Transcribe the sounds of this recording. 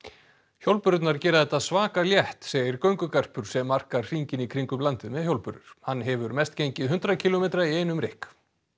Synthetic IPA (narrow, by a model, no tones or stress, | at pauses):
çjowlpʏɾt̪naɾcɛːɾaðɛt̪ːaðsvaːkaljɛht̪seːjɪɾkœɥŋkʏkar̥pʏɾ̥sɛmːar̥kaɾr̥iɲcɪnikʰɾiŋkʏmlant̪ɪðmɛðçjowlpʏɾðʏɾ̥hanːɦɛvʏɾmɛst̪cejɲcɪðɦʏnt̪ɾacʰilɔmejt̪ɾaiejnʏmɾɪhk